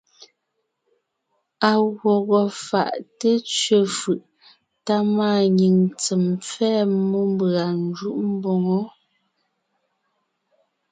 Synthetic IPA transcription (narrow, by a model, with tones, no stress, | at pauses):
a˨ɣwɔ˨ɣɔ˨fa̰˨ʔte˦t͡sɥe˨fɯ˨ʔ | ta˦maː˦˨ɲi˨ŋt͡sɛ˨mp͡fɛː˦mu˦m˦ba˨n˦d͡ʒu˦˨ʔm̩˦bɔ˨ŋɔ˦